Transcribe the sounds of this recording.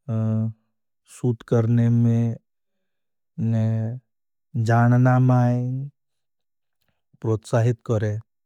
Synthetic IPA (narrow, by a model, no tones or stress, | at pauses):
suːt̪kəɾnemẽ | n | d͡ʒaːnnaːmaːe | pɾoːt̪saːɦɪt̪kəɾẽ